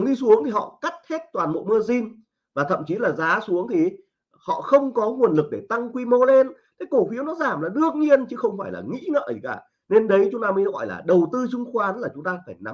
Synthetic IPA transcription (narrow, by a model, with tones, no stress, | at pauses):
ŋɗi˧su˨˦əŋt̪ʰi˨˩ɦɔ̰˧˨ka˦˥t̚he˦˥t̚t̪waː˨˩nmo̰˧˨jmɨ˧əzi˧n | vaː˨˩t̪ʰə̰˧˨mt͡ɕi˨˦laː˨˩zaː˨˦su˨˦əŋt̪ʰi˨˩ | hɔ̰˧˨xə˧wŋ͡mkɔ˨˦ŋu˨˩ənlɨ˨˩k̚ɗe˧˩t̪a˧ŋkwi˧mo˧le˧nt̪ʰe˨˦jko˧˩fi˨˦əwnɔ˨˦zaː˧˩mlaː˨˩ɗɨ˨˧˩ək̚ɲi˧ənt͡ɕɨ˨˦xə˧wŋ͡mfaː˧˩jlaː˨˩ŋḭ˧˥ŋə̰ː˧˨zi˨˩kaː˧˩ | ne˧nɗə˨˦jt͡ɕʊ˨˦ŋ͡mt̪aː˧məː˨˦jɣɔ̰˧˨jla̰ː˨˩ɗə˨˩wt̪ɨ˧t͡ɕʊ˧ŋ͡mxwaː˨˦nlaː˨˩t͡ɕʊ˨˦ŋ͡mt̪aː˧faː˧˩jna˨˦m